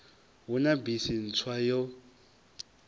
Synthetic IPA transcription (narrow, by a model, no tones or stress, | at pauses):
ɦunabisin̩t͡sʰwajɔ